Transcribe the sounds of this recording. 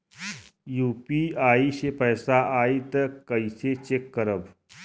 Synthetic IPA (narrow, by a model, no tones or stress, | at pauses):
juːpiaːiʃepɛːsaʔaːit̪əkəiset͡ʃekːəɾəb